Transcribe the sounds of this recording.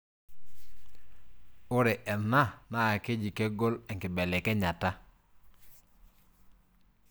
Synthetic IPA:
ʊ˦ɾɛ˨ʔɛ˨na˦na˦˨kɪ˦d͡ʒi˨kɛ˦ɡɔ˦lɛ˨ŋkɪ˨bɛ˨lɛ˨kɛ˦ɲa˨ta˦

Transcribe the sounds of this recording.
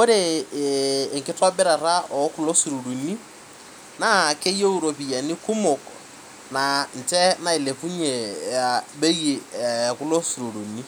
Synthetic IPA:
ko˦ɾe˨ | ŋkɪ˦tɔ˦bɪ˦ɾa˨ɾa˦ɔ˨˦kʊ˨lo˦su˨ɾu˨ɾu˨ni˦ | na˦˨ke˦jo˦u˦ɾo˨pi˨ja˨ni˦kʊ˦mʊ˨k | na˨n̩˨t͡ʃɛ˦na˨i˨le˨fu˦ɲe˨a˨be˦ɣe˨a˨ku˦lo˦su˨ɾu˨ɾu˨ni˦

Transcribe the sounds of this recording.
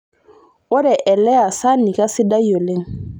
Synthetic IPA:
o˦ɾɛ˨ʔɛ˨lɛ˦a˨sa˦ni˨ka˦si˦da˦jo˨lẽ˦ŋ

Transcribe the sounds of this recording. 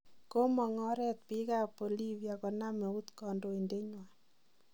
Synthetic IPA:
ko˦mɔ˨ŋɔ˦ɾɛ˦t̪̚pi˦ka˦po˨li˦vja˨kɔ˨na˦me˨u˦t̪kɔ˨ndo˨i˨nde˦ɲwa˨n

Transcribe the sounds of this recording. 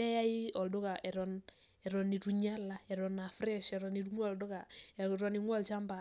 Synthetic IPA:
ɛ˦ja˦ji˦ɔ˨ldo˦ka˨ʔɛ˨ɾɔn | ɛ˨ɾɔ˨ni˨tu˨ɲa˦la˨ɛ˨ɾɔ˨na˨fɾɛ˦ʃɛ˨ɾɔni˨tu˦ŋɔ˦˨ldo˦ka˨ɾɔ˨ni˨ŋwɔ˦lt͡ʃa˦mba˨

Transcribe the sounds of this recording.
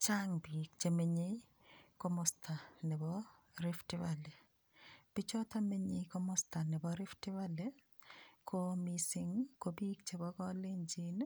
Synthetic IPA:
t͡ʃa˦ŋbi˨k̚t͡ʃe˨me˨ɲe˦ | ko˦mɔstʰa˨nɛ˨bɔɾɪ˦ftɪ˦wale˨ | b̥i˦t͡ʃɔ˦ta˦me˦ɲe˨ko˦mɔ˦sta˨nɪ˨bɔ˨ɾɪ˦ftɪ˦wa˦le˦ | kʰo˦misɪŋko˦bi˦kt͡ʃe˨bɔ˦kɔ˦le˦ɲd͡ʒi˦n

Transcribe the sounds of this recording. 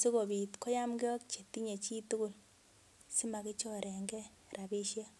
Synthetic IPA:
si˦ko˨bi˨tko˦ja˦mɡe˦o˦kt͡ʃe˨ti˦ɲe˨t͡ʃi˦tu˦ku˨l | si˦ma˨ki˦t͡ʃo˦ɾe˨ŋɡe˦ | ɾa˨bi˦ʃe˦

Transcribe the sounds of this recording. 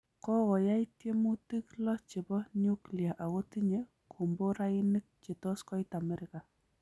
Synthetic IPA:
kɔ˦ɣɔ˨ja˦itje˦mu˦ti˦klɔ˦t͡ʃi˨bɔ˦ɲu˦klia˨ʔa˨ɣo˦ti˦ɲe | kʰo˨mbo˦ɾai˦ni˦k̚t͡ʃe˨tɔ˦skɔ˦itamɛ˦ɾɪka˨

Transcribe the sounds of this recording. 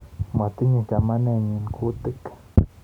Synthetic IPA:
ma˨t̪i˦ɲə˨ka˨ma˦ne˦ɲi˨nkʰu˦t̪ɨ˦k

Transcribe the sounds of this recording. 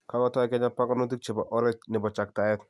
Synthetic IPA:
ka˦kɔ˦tɔ˦ɛ˨kɛ˦ɲa˦pa˦kɔ˦no˦t̬i˦k̚t͡ʃe˨bɔʔɔ˦ɾɛ˦t͡ʃnɪ˨bɔ˨t͡ʃa˨k̚ta˨ɛ˦t

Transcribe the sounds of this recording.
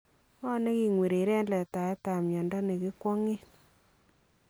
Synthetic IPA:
ɔ˦ne˦ki˨ŋwe˨ɾe˨ɾɛ˦nlɛ˨ta˨ɛ˦ta˨mɲɔ˨ndɔ˦ne˨ki˦kwɔ˦ŋe˦

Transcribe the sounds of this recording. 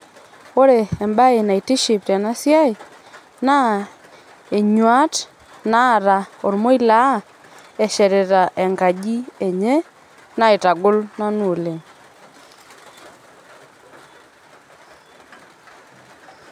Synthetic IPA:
o˦ɾe˨ɛ˨mba˦e˨na˨i˨ti˦ʃi˨p̚tɛ˨na˦sja˦ɪ˨ | na˦ | e˨ɲwa˦t | na˦˨ɾa˨o˨ɾmo˦i˦la˦ | ɛ˨ʃɛ˨ɾɛ˨ɾa˨ʔɛ˨ŋɡa˨ɡi˦e˨ɲe˦ | na˦e˨ta˨ɡʊ˦lna˦no˨le˨

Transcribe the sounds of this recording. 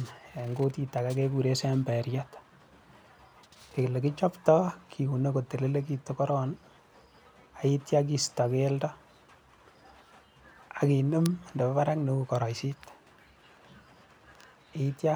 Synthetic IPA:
ne˨ŋɡo˦ti˦ta˨kakeku˨ɾe˦sembɛ˨ɾjat | ke˨kle˨kit͡ʃɔ˦ptɔkʰiu˨ne˦ko˨te˨le˦le˦k̬i˦tokɔ˦ɾɔn | a˨itjak̬i˦stɔ˨keldɔ | a˨ki˨nɨ˦mnde˨bɔ˦βa˦ɾa˦knokukɔ˨ɾɔ˨jsi˦t | itja

